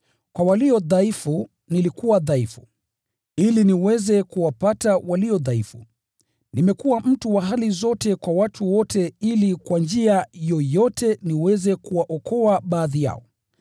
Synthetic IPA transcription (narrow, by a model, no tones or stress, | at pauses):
kwawaliɔðaifu | nilikuwaðaifu | iliniwɛzɛkuwapatawaliɔðaifṵ | nimɛkuwam̩tuwaɦalizɔtɛkwawatʰuwɔtʰɛilikwand͡ʒiajɔjɔtʰɛniwɛzɛkuwaʔɔkɔaɓaːðija̰ɔ